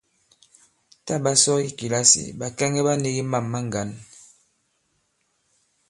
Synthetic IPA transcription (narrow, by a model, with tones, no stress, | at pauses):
ta˦˨ba˦sɔ˦i˦ki˨la˦sḭ˨ba˨kɛ˦ŋɛ˦ba˦ni˦ɣi˦ma˦˨mːa˦ŋ˨ɡa˨˦n